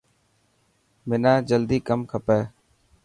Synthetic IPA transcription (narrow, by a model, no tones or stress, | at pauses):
mɪnaːd͡ʒəld̪iːkəmkʰəpɛː